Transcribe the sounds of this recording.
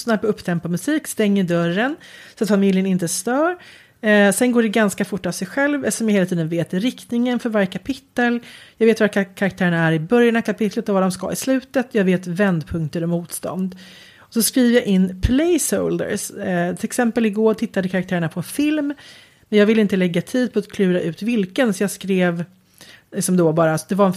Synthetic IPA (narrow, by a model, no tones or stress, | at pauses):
snaɾpɔɵpːt̪ʰɛmpamɵsiːkst̪ɛŋːəɖœɾːənsɔat̪famɪljənɪnt̪əst̪œːɾ | sɛnɡoːɖɛɡanskafʊʈːavsɛjɧɛlvɛsɔmjaheːlt̪ʰiːd̪ənveːt̪ɪɾɪkt̪nɪŋənfœɾvaɾjəkʰapʰɪt̪ːəljɑːɡveːt̪vakkʰaɾakt̪ʰæːɾəɳaæɾɪbœɾjanavkʰapɪt̪ʰlət̪ɔvad̪ɔmska̰ɪ̰slʉ̟ːt̪ət̪jɑːɡveːt̪vɛnd̪pʰɵŋk̚t̪əɾɔmuːt̪st̪ɔ̰nd̪ | ɔsɔskɾiːvəjaʔɪnːpʰlɛjsəʊld̪ə̰ɾst̪ʰɪlɛksɛmpəlɪɡoːʈʰɪt̪ːad̪əkʰaɾakt̪ʰæːɾəɳapʰɔɛnfɪlm | mɛnjɑːɡvɪlɪnt̪əlɛɡːat̪ʰiːd̪̚pʰɔat̪kʰlʉ̟ːɾaʔʉ̟ːt̪vɪlkənsɔjɑːɡskɾeːv | lɪksɔmd̪ɔbɑːɾasɔd̪ɛvaɾɛn